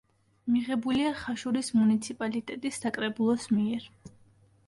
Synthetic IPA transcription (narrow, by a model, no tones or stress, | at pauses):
miʁɛbuliaχaʃuɾismunit̪sʰipʼalit̪ʼɛt̪ʼisːakʼɾɛbulˠɔsmiɛɾ